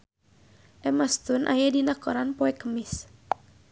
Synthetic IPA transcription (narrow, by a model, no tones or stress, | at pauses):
ʔɛmast̪unʔa̰jadinakɔɾanpɔɛkəmɪs